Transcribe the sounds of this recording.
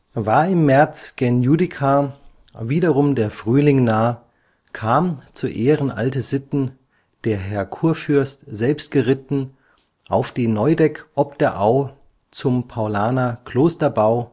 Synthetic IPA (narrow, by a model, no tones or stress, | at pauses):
vaːɐɪmːɛɐt͡sɡ̥ɛnjudɪkʰa | viːdɐʁʊmdeːɐfʁ̥yːlɪŋnaːə | kʰaːmt͡suːʔeːʁənʔa̰ltəzɪtn̩ | d̥eːɐɦɛɐkʰuːɐfʏɐstz̥ɛlpstɡ̥əʁɪtn̩ | ʔaʊfd̥iːnɔʏdɛkʔɔp̚d̥ɐʔaʊ | t͡sʊmpʰaʊlaːnakl̥oːstɐbaʊ